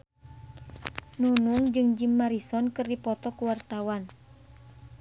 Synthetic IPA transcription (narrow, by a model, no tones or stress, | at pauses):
nunuŋd͡ʒɨŋd͡ʒimːaɾisɔnkɨrdipɔt̪ɔkuwart̪awan